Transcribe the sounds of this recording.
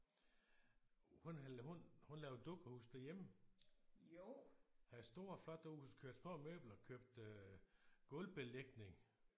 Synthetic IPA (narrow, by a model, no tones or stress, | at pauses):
hunhuhunlɛːʊd̥oɡ̥ɐhuːsd̥æɐjemə | hæðˠsd̥o̝ːɐflɒ̽d̥əhuskʰøɐd̥smɔ̰ːmø̰ːb̥l̩ɒkʰøb̥̚d̥ø | ɡ̥ɔlb̥e̝leɡ̥ne̝ŋ